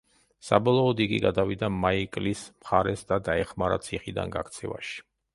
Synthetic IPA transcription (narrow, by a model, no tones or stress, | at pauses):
sabɔlˠɔːd̪iɡiɡad̪avid̪amaikʼlismχaɾɛsd̪ad̪aɛχmaɾa̰t̪sʰiχid̪a̰nɡa̰kʰt̪sʰɛva̰ʃi̥